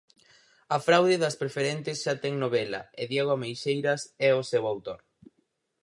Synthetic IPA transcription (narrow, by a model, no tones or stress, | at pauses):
ɐfɾawðɪðɐspɾefeɾent̪ɪsʃat̪ɛŋnoβ̞ɛlɐ̰ɪðjɛɣ̞oʊamejʃejɾɐsɛosewawt̪oɾ